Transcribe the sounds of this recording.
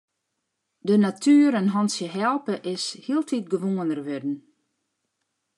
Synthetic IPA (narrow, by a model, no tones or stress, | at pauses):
dənatʰyəɾənɦɔnsjəɦɛlˠpəʔɪshiəlˠtʰit̚ɡəʋoːənərʋʏdn̩